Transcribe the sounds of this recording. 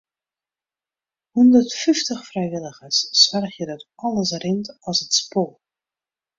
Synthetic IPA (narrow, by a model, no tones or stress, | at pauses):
hundərtfyftəxfrɛjʋɪləɣəsːʋɛrxjədɔtɔlˠəsrɪntɔsətspoː